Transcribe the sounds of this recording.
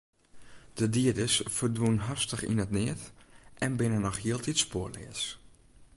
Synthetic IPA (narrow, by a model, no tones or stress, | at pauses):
d̥ədiədəsfərdwunɦarstəxḭnətnɪətʔɛnbɪnənɔxjiəlˠtʰitspoərlɪ̰əs